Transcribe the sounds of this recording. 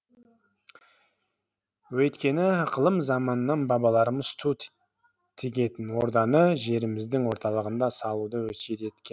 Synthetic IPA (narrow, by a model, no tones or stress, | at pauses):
wɵt̪kʲe̞nɪqʰəlˠəmzɑmɑnənːɑnbɑbɑlˠɑɾəməzst̪ʰu | t̪ʰɪɡʲe̞t̪ɪnwo̞ɾd̪ɑnəʒe̞ɾɪmɪzd̪ɪŋwo̞ɾt̪ɑlˠəʁənd̪ɑsɑlˠud̪əwɵsed̪e̞t̪kʲen